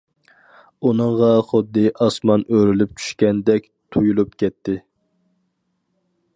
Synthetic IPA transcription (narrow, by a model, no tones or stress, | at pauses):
unɨɴʁɑχʊd̪ːɨʔɑsmɑnøɾylyp̚t͡ʃʰy̥ʃkʲɛnd̪ɛkʲ | t̪ʰujulˠupkʲʰɛt̪ʰːɪ